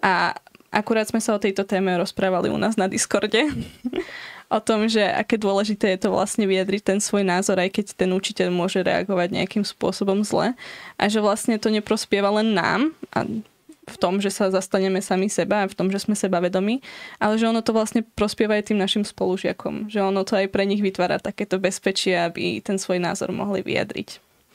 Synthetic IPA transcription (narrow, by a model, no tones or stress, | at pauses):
ʔaʔa̰kuɾaːd̪z̥mɛsaɔt̪ɛjt̪ɔt̪ɛːmɛɾɔspɾaːʋalḭṵna̰ːznad̪iskɔɾɟɛ | ʔɔt̪ɔmʒɛʔa̰kɛːd̪ʊɔlɛʒit̪ɛːjɛt̪ɔʋla̰sɲɛʋijad̪ɾic̚t̪ɛnsʋɔjnaːzɔɾajkɛct̪ɛnut͡ʃicɛʎmʊɔʒɛɾɛ̰a̰ɡɔʋaɟɲɛ̰akimspʊɔsɔbɔmzlɛ̰ʔa̰ʒɛʋlasɲɛt̪ɔɲɛpɾɔspɪɛʋalɛnːa̰ːmʔa̰ | ft̪ɔmʒɛsazast̪aɲɛmɛsamisɛbaːft̪ɔmʒɛsmɛsɛbaʋɛd̪ɔmiːʔalɛʒɛɔnɔt̪ɔʋlasɲɛpɾɔspɪɛʋaɛt̪iːmnaʃimspɔluʒɪa̰kʰɔ̰mʒɛɔnɔt̪ɔajpɾɛɲiɣʋit̪ʋaːɾa̰ːt̪akɛːt̪ɔbɛspɛt͡ʃɪɛabḭt̪ɛnsʋɔjna̰ːzɔ̰ɾmɔ̰ɦlḭʋḭja̰d̪ɾḭc